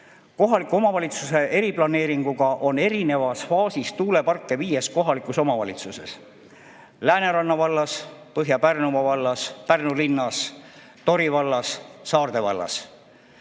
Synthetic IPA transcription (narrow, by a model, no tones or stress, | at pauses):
ko̞ɦɑlikːˑuo̞mɑvɑlʲit̪suse̞ʔe̞ɾiplɑne̞ːɾiŋɡ̥uɡ̥ɑʔo̞ne̞ɾine̞vɑsfɑːsist̪uːle̞pɑrkːe̞viːje̞sko̞ɦɑlikˑuso̞mɑvɑlit̪suse̞̰s | læːne̞ɾɑnːɑvɑlːɑspɤɦjɑpærnumɑvɑlːɑspærnulinːɑs | t̪o̞ɾivɑlːɑsːɑːrd̪e̞vɑ̰lːɑ̰s